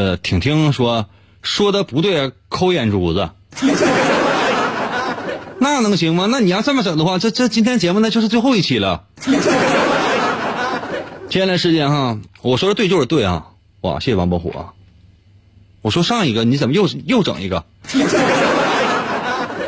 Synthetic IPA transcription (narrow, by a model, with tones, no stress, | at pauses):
t̪ʰi˨˩ŋt̪ʰi˥ŋʂwɔ˥ | ʂwɔ˥d̪ə˨pu˧˥t̪we˥˩ɪ˩kʰo˥ʊjɛ˨˩nʈ͡ʂu˨˩d͡z̩˧˥˧ | na˥˩nɤ˧˥ŋɕi˧˥ŋmə˧na˥˩ni˨˩jɑ˥˧ʊt͡sa˥˩mə˥˩ʈ͡ʂɤ˨˩ŋd̪ə˦xwa˥˧˩ʈ͡ʂɤ˥˧ʈ͡ʂɤ˥˩˧t͡ɕi˥nt̪ʰjɛ˥nt͡ɕjɛ˧˥mu˥nə˧t͡ɕo˥˧ʊʂɻ̩˥˧t͡swe˥˧ɪxo˥˧ʊi˥˩t͡ɕʰi˨˩lə˦˥˧ | t͡ɕʰɛ˥nla˥ʂɻ̩˥˧t͡ɕjɛ˥˧nxa˧wɔ˨˩ʂwɔ˥ə˧t̪we˥˧ɪt͡ɕjo˥˧ʂɻ̩˥t̪we˥˩ɪxɐ̰˩ | wa̰˨˩ɕjɛ˥˩ɕjɛ˨˩˧pɔ˥xṵ˨˩ɐ̰˧˩ | wɔ˨˩ʂwɔ˥ʂɑ˥˩ŋi˧˥ɡə˧ni˧˥t͡sə˨˩mə˦jo˥˩ʊ˧jo˥˩ʊʈ͡ʂɤ̰˨˩ŋḭ˧˥ɡə̰˧˥˩